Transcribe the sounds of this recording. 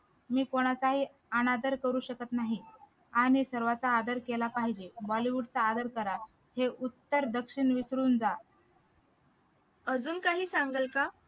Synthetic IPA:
miːkoɽ̃at͡saɦiː | anad̪əɾkəɾuːɕəkət̪naɦi | aɽ̃isəɾʋat͡saːd̪əɾkelapaɦid͡ʑebɔliʋuɖt͡saːd̪əɾkəɾa | heʔut̪ːəɾd̪əkɕiɳʋisɾuːnd͡za | əd͡zuːnkaɦiːsaŋɡəlka

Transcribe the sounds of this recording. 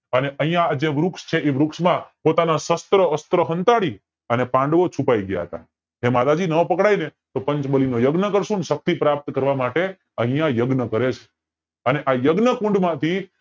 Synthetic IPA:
əneʔəɦĩjãːd͡ʒeʋɾukʂt͡ʃʰeʔiʋɾukʃmãpot̪anasəst̪ɾəəst̪ɾəɦənt̪aɽi | ənepãɳɖʋot͡ʃʰupaiɡja̰ɦə̰t̪a̰ | ɦemad̪ad͡ʒinəpəkɽainet̪opə̃ɲt͡ʃbəlinojəɡnəkəɾʃũnʃək̚t̪ipɾap̚t̪kəɾʋamaʈe | əɦĩjãjəɡnəkəɾet͡ʃʰe̥ | əneʔajəɡnəkũɳɖmãt̪ʰi

